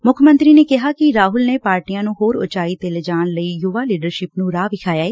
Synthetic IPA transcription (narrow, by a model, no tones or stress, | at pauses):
mʊkʰmə̃nt̪ɾiːneːkɪɦaːkɪɾaːɦʊlneːpaːɾʈijãːnũːɦoːɾʊ̰t͡ʃaːiːt̪eːled͡ʒaːɳləiːjuːʋaːliːɖəɾʃɪpnũːɾaːʋɪkʰaːjaːeː